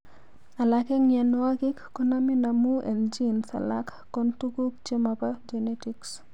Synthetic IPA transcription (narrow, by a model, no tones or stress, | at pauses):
alakɛŋjanwaɡɪkːɔnaminamuʔɛld͡ʒinsa̰la̰kːɔntuɡuk̚t͡ʃemapad͡ʒenetiks